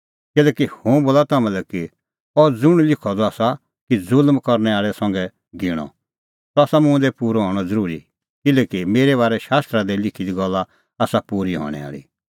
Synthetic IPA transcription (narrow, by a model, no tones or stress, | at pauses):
kɪlɛːkihõboːlat̪amɛ̃lɛki | ɔd͡zʊɽ̃lɪkʰɔd̪ɔaːsa | kid͡zʊlmkɔɾnɛaːɭɛsɐ̃ŋɡɛ | ɡɪɽ̃ɔ̰ | tɔaːsamʊ̃d̪ɛpuːɾɔɦɔːɽ̃ɔd͡zɐɾuːɾi | kɪlɛːkimeːɾɛβaːɾɛʃaːst̪ɾad̪ɛlɪkʰid̪iɡɔlːa | aːsapuːɾiɦɔ̰ːɽ̃ɛ̰a̰ːɭḭ